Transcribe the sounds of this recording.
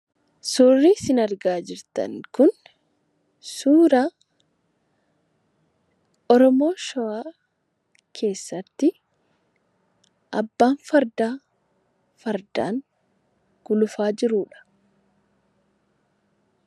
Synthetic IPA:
sʊːrːiːsɪnɐɾɡaːd͡ʒɪɾt̪ɐ̰ŋkʊn | suːɾa | ɔɾɔmo̞ːʃɔwaː | kʰe̞ːsːɐt̪ːɪ | ʔɐbːaːnfɐɾd̪aː | fɐɾd̪a̰ːŋ | ɡ̥ʊlʊfaːd͡ʒɪɾuːᶑɐ̥

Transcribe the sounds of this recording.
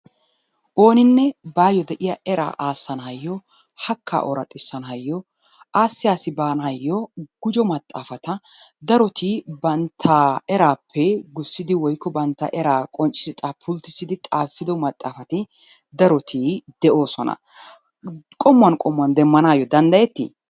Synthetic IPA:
ʔo̞ːnɪnːɛbaːjːɔd̪ɛʔɪjɐɛɾa̰ːʔaːsːɐnhɐjːɔ | hɐkʰːa̰ʔɔɾɐt̪ʼːɪsːɐnɦɐjːɔ | aːsːɪjaːsɪbaːnhɐjːɔɡ̥ʊd͡ʒɔmɐt̪ʼːa̰ːfɐt̪ɐ | d̪ɐɾɔt̪ʰibɐnt̪ʰːaɛɾaːpʰːɛɡʊsːɪd̪ɪwɔjkːɔbɐnt̪ːɐ̰ʔɛɾaːkʼɔnt͡ʃʼɪ̥sɪt̪ʼapʰʊlt̪ːɪsːɪd̪ɪt̪ʼaːfːɪd̪ɔmɐt̪ʼːaːfɐt̪ɪ | d̪ɐɾɔt̪ʰiːd̪ɛʔo̞ːsɔnɐ̰ | kʼɔmːɐnkʼɔmːɐnd̪ɛmːɐnaːjɔd̪ɐnd̪ɐjɛt̪ːḭ

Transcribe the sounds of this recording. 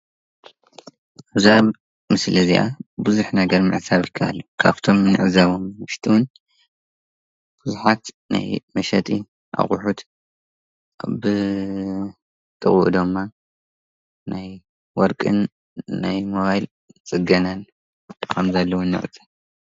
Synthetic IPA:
ʕɨzaβ | mɨslɨziʔabɨzuħnɐɡɐɾmɨ̰ʕsaβjɪkʰːɐʔa̰lːokʰa̰βt̪ʰo̞mːɨnɨʕɨzaβommɨʃt̪ʰiwun | b̥ɨzuħat̪ | na̰jmɐʃɐt̪ʼi | ʔa̰χʼʊħut̪ | bɨ | t̪ʼɨχʼuʔd̪ɨmːa | nʔaj | wɔɾkʼɨnː | ajmoβajl | t͡sʼɨɡɐnan | kʰɐmzalːɐwunɨ̰χʼt͡sʼi

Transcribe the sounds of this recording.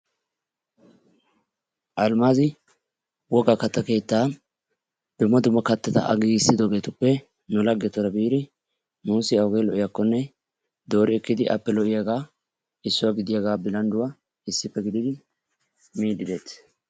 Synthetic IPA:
ʔɐlmaːzɪ | wɔɡakɐt̪ːɐke̞ːt̪ːaː | d̪̥ʊmːɐd̪ʊmːɐkɐt̪ːɐt̪ɐ̰ʔɐ̰ɡiːɪsːɪd̪oːɡe̞ːt̪ʊpːɛ | nʊlɐɡːɛt̪ɔɾɐbiːɾɪ | nuːsɪɐwʊɡejlɔʔɪjɐkːɔnːɛ | d̪o̞ːɾɪɛkːɪd̪ɪʔɐ̰pːɛlɔʔɪjɐɡaː | ɪsːʊwaɡɪd̪ɪjɐɡaːbɪlɐnd̪ʊwɐ | ɪsːɪpːɛɡɪd̪ɪd̪ɪ | miːd̪ɪd̪e̞ːt̪

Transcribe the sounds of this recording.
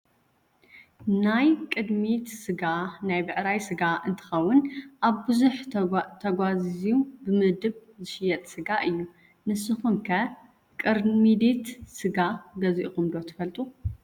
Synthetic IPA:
najkʼɨd̪mit̪sɨɡanajbɨʔɾajsɨɡaʔɨnt̪ʰɨ̥xɐwːʊnʔaβbɨzuħt̪ʰɐɡʷaziubɨmɨhd̪ɨβzɨʃɪjɐt̪ʼsɨɡaʔɨjːu | nɨsːɨxumkʰɐ | kʼɨɾmid̪it̪sɨɡaɡɐziʔuxʼɨmd̪o̞t̪ʰɨfɐlt̪ʼu

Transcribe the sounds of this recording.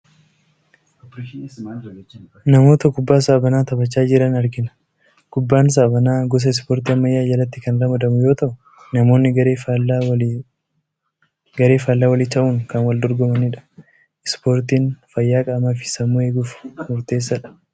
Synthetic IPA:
nɐmo̞ːt̪ɐkʊbːaːs̬ɐʔɐbɐnaːt̪ɐbɐt͡ʃːaːd͡ʒɪɾɐnɐɾɡɪnɐ̥ | kʊbːaːns̬aʔːbɐnaːɡɔs̬ɐɪspoːɾt̪iːɐmːɐjːaːjɐlɐt̪ːɪkɐnɾɐmɐd̪ɐmʊjo̞ːt̪ɐʔʊ | nɐmo̞ːnːɪɡɐɾeːf | ɡɐɾe̞ːfaːlːaːwɐlɪt̪ɐʔuːŋkɐnwɐld̪ɔɾɡɔmɐnɪᶑɐ̥ | ɪspo̞ːɾt̪iːnfɐjːaːkʼaːmɐfɪ̥sɐmːuːhe̞ːɡuːfmʊɾt̪e̞ːs̬ːɐᶑɐ̥

